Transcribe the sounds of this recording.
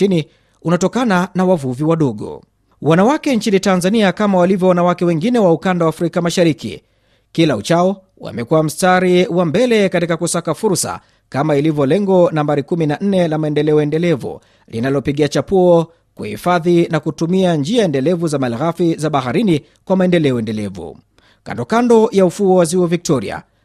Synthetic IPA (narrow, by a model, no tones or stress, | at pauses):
ini | unatɔkananawavuviwaɗɔɠɔ̰ | wanawakɛnt͡ʃinitanzaniakamawalivjɔwanawakɛwɛŋɡinɛwaukandawaːfɾikamaʃaɾikḭ | kilaṵt͡ʃaɔ | wa̰mɛkuwam̩staɾiwambɛlɛkatikakusakafuɾsa̰ | kamailivjɔlɛŋɡɔnambaɾikuminaʔn̩nɛlamaɛndɛlɛɔɛndɛlɛvṵ | lḭnalɔpiɠiat͡ʃapuɔ | kuhḭfaðinakutumiand͡ʒiaɛndɛlɛvuzamalɣafizaɓaɦaɾini | kwamaɛndɛlɛɔɛndɛlɛvṵ | ka̰ndɔkandɔjaufuɔwaziɔvik̚tɔɾḭa̰